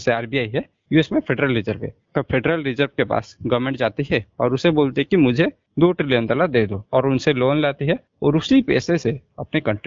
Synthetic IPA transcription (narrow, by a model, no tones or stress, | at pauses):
seaːɾbiaːiɦɛ | juːeːsmẽpʰeɖɾəlɾɪzəɾbɦɛ̰kɐpʰeɖɾəlɾɪzəɾb̚kepa̰ːsɡɐʋmẽɳʈd͡ʒaːt̪iɦɛɔːɾʊseboːlt̪eɦɛkimʊd͡ʒʱe | d̪oːʈɾɪljə̃nt̪əlad̪eːd̪oːɔːɾʊnseloːnlaːt̪iɦɛ | ɔːɾʊsipɛ̰ːseseɐpnekɐ̃ɳʈ